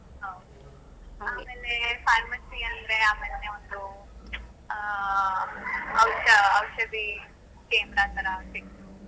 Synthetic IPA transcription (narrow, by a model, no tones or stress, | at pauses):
ɦɐwd̪ | aːmeːlepʰaːɾmɐsiɐnd̪ɾeaːmeːlneʋond̪u | ɐwʃɐːwʃɐd̪i | t͡ʃeːmɾaːnt̪aɾɐʋɐʈ̪e